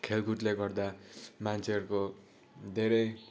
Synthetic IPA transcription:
kʰelɡuʈleɡʌrd̪amant͡sʰeʌɾuko | d̪ʱeɾʌj

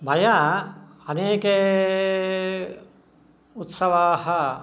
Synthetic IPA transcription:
bʱɐja | ɐneːke | ut̪sɐʋaːhɐ

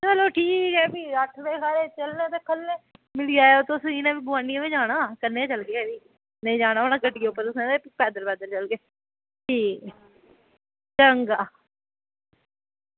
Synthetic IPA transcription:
t͡ʃəloːʈʰiːkɛːbiːəʈʰʋeːkʰaːɾeːt͡ʃəlnẽːt̪eːkʰəlːemɪliːaːeot̪osiːnãːbiɡʊʋaːniẽʋeːd͡ʒaːɽaːkəɾneːt͡ʃəlɡeːɛːʋiː | nəĩːd͡ʒaːɽ̃aːonãːkəɖɪɡeːʊpːəɾʊsnẽːt̪epɛːd̪əɾpɛːd̪əɾt͡ʃəlɡeː | iː | t͡ʃəŋɡaː

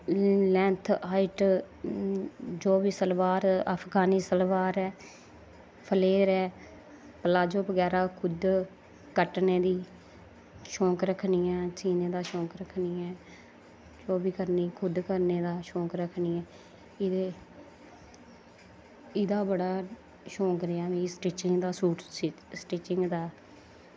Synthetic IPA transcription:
lɛ̃ːnt̪ʰaːɪʈ | d͡ʒoːʋiːsəlʋaːɾaːpʰɡaːniːsəlʋaːɾɛː | pʰəleːɾɛː | pəlaːd͡ʒoːbəɡɛːɾaːkʰʊd̪ | kəʈneːd̪iː | ʃõːkɾəkʰniːɛ̃ːt͡ʃiːneːd̪aːʃõːkɾəkʰniːɛː | t͡ʃoːbiːkəɾniːkʰʊd̪kəɾneːd̪aːʃõːkɾəkʰniːɛː | ɪd̪eː | ɪd̪aːbəɽaː | ʃõːkɾeɛːʋĩsʈeːt͡ʃɪŋɡd̪aːsuːʈː | sʈeːt͡ʃɪŋɡd̪aː

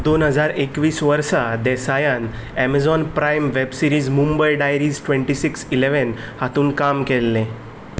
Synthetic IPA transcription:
d̪onɦəd͡zaɾekʋiːsʋəɾsad̪ɛsajan | ɛmad͡zɔnpɾajmʋebsiɾiːd͡zmumbəjɖajɾiːd͡zʈʋẽɳʈisiksileʋən | hat̪ũːnkamkelːẽ

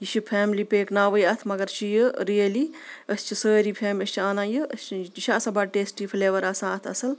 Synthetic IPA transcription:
jiʃʰipʰɛːmlipeːknaːʋəjɐt̪ʰmɐɡɐɾt͡ʃʰijɨɾijɐliəst͡ʃʰisəːɾipʰɛːməst͡ʃʰiaːnãːjɨəst͡ʃʰiiʃʰaːsɐbaːʈeːsʈipʰleːʋɐɾaːsãt̪ʰɐsɐl

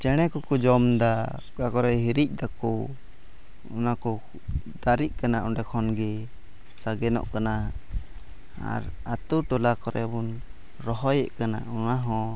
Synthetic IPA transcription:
t͡ʃɛɽ̃ɛkɔkɔd͡ʒɔmd̪a | kakɔɾɛɦiɾic̚ˀd̪akɔ | unakɔ | d̪aɾic̚ˀkanaʔɔnɖɛkʰɔnɡɛ | saɡɛnɔ̰ʔkana | a̰ɾ | at̪uʈɔlakɔɾɛbun | ɾɔɦɔjɛʔkana̰unaɦɔ̃

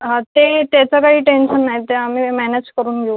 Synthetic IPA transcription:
ɦãt̪et̪jat͡səkaɦiːʈenɕənːajt̪eamiːmɛned͡ʑkəɾuːnɡʱeu

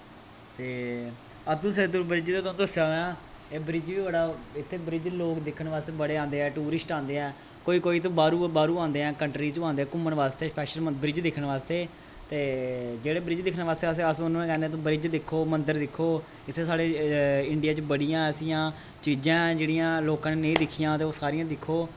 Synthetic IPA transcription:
t̪eː | ət̪ũːsət̪ubɾɪd͡ʒt̪õːt̪õːt̪ʊsaːãː | eːbɾɪd͡ʒʋiːbəɽaːɪt̪ʰːeːbɾɪd͡ʒloːkd̪ɪkʰːəɳʋaːst̪eːbəɽeːãːnd̪eːɛːʈuːɾɪsʈãːnd̪eːɦɛ̃ː | koːiːkoːiːt̪̬õːbaːɾuːbaːɾuːãːnd̪eːɛ̃ːkəɳʈɾiːt͡ʃoãːnd̪eːɛːkʊmːəɳʋaːst̪eːspɛːʃələbɾɪd͡ʒd̪ɪkʰːəɳʋaːst̪eː | t̪eːd͡ʒeːɽeːbɾɪd͡ʒd̪ɪkʰnːʋaːst̪eːəseːəsʊñːẽkɛːneːt̪õːbɾɪd͡ʒd̪ɪkʰːoːmənd̪əɾd̪ɪkʰːoː | ɪt̪ʰːeːsaːɽeːɪɳɖɪjaːt͡ʃbəɽijãːəsĩjãː | t͡ʃiːd͡ʒãːd͡ʒeːɽijãːloːkãːnːnẽĩːd̪ɪkʰːɪjãːt̪eːoːsaːɾijãːd̪ɪkʰːoː

